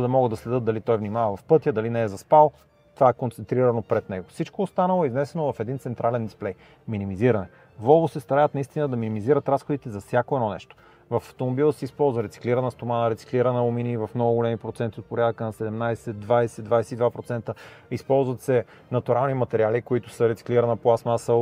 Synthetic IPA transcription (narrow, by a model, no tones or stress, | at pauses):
d̪ɐmɔɡəd̪ɐslɛd̪ɤt̪̚d̪ɐlit̪ɔjvnimavɐvɐfpɤt̪jəd̪ɐlinɛːzɐspalˠo | t̪ovaɛkont̪sɛnt̪ɾiɾɐnopɾɛt̪nɛɡofsit͡ʃkoːst̪anəlˠoɛiznɛsɛnovɐfɛd̪int̪sɛnt̪ɾalɛnd̪isplɛj | minimiziɾɐnɛ | vɔvosɛst̪ɐɾavət̪nɐist̪inəd̪ɐminimiziɾət̪ɾasxod̪it̪ɛzɐfsʲjakoɛdnɔnɛ̰ʃt̪o̥ | vɐfɐft̪omobilˠəsɛispɔlˠzvəɾɛt̪si̥kliɾənəst̪omanəɾɛt̪si̥kliɾənəominivɐfmnɔɡʊɡolɛmipɾot̪sɛnt̪iot̪̚poɾʲjad̪əkənɐsɛd̪ɛmnajsɛd̪vajsɛd̪vajsɛid̪vapɾot̪sɛnt̪əispɔlˠzvət̪sɛ | nɐt̪uɾalˠnimɐt̪ɛɾialikoit̪ʊsəɾɛt̪i̥kliɾənəplˠasmasə